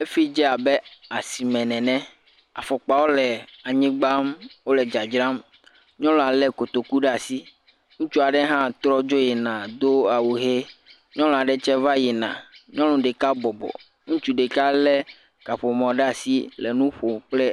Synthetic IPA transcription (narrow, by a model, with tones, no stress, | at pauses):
e˦fi˦d͡ʒɛ˦a˨be˦a˨si˨mɛ̃˨nɛ̃˨nɛ̃˦ | a˨fɔ˨k͡pa˨wo˦lɛ˨a˨ɲĩ˦ɡ͡ba˦mwo˦lɛ˨d͡ʒa˨d͡ʒɾã˦m | ɲɔ̃˦lɔ̃˨a˨lɛ˦ko˨t̪o˨ku˦ɖɛ˦a˨si˦ | ŋũ˦t͡ʃu˦a˨ɖɛ˦ɦã˦t̪ɾɔ˦d͡ʒo˦jɛ˨nã˨d̪o˦a˨wu˨ɦe˦ | ɲɔ̃˦lɔ̃˨a˨ɖɛ˦t͡ʃɛ˦va˦je˨nã̰˨ɲɔ̃˦lɔ̃˨ɖe˨ka˦bɔ˨bɔ̰˨ | ŋũ˦t͡ʃu˦ɖe˨ka˦lɛ˦ | ka˨ɸo˨mɔ̃˨ɖɛ˦a˨si˦lɛ˨nũ˦ɸo˨k͡plɛ˦